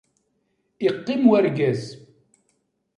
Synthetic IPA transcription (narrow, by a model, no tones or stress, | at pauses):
iqːɪmwæɾɡæz